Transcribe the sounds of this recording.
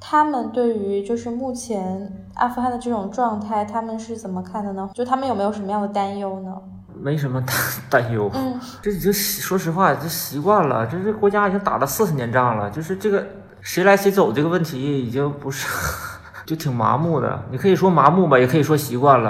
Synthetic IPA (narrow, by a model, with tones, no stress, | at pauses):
t̪ʰa˥mə˨nt̪we˥˩ɪy˧˥t͡ɕjo˥˧ʊʂɻ̩˥˧mu˥˩t͡ɕʰjɛ˧˥n | ʔa̰˥˩fu˧˥xa˥˩nd̪ə˩ʈ͡ʂɤ˥˩ʈ͡ʂʊ˨˩ŋʈ͡ʂwɑ˥˧ŋt̪ʰa˥˩ɪt̪ʰa˥mə˨nʂɻ̩˥˩t͡sə˨˩mə˦kʰa˥˩nd̪ə˩nə˩˥˧ʂ̩ʰ˥˩a˥mə˨jme˧˥ɪjo˩ʂm˧jɑ˥˩ŋd̪ə˩t̪a˥njo˥ʊnə˨ | me˧˥ɪʂ̬ə˧˥nmə˧t̪a˥t̪a˥˧njo˥ʊn̩˥˩ʈ͡ʂo˥˩i˨˩t͡ɕi˥ŋɕʂwɔ˥ʂ̬ɻ̩˧˥xwa˥˩˨t͡ɕo˥˩ɕi˧˥kwa˥˩nlə̰˩t͡ɕo˥˧˥ɡə˩kwɔ˧˥t͡ɕja˥i˨˩t͡ɕi˥ŋt̪a̰˨˩lə˧˦sɹ̩˥˩ʂɻ̩˧˩njɛ˧˥nʈ͡ʂɑ˥˩ŋlə̰˩t͡ɕjo˥˧ʊʂɻ̩˥˧ʈ͡ʂɤ˥˩ɡə˩ | ʂe˧˥ɪla˧˥ɪɕi˧˥t͡so˨˩ʊʈ͡ʂɤ˥˩ɡə˧wə˥˩nt̪ʰi˧˥jɛ˥˩i˨˩t͡ɕpu˧˥ʂ̩˥˩˥ | t͡ɕjo˥˩ʊt̪ʰi˨˩ŋma̰˧˥mu˥˩d̪ə̰˩ni˨˩kʰɤ˧˥i˨˩ʂwɔ˥ma˧˥mu˥˩bɐ˨˩jɛ˨˩kʰɤ˧˥i˨˩ʂwɔ˥ɕi˧˥kwa˥˩nlə̰˩